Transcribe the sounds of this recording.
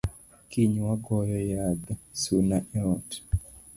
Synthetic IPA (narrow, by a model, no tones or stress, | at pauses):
kiɲwaɡɔjɔjadsunaʔɛɾɔt